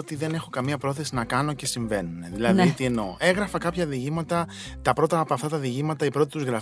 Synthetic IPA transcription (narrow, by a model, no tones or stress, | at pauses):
ot̪iðe̞ne̞xo̞kɐmiɐpɾo̞θe̞sinɐkɐno̞ce̞siɱve̞nuneðilɐðiit̪ieno̞̰e̞ɣɾɐfɐkɐpçɐðiʝimɐt̪ɐ | t̪ɐpɾo̞t̪ɐːpoɐft̪ɐt̪ɐðiʝimɐt̪ɐipɾo̞t̪i̥t̪uzɣɾɐf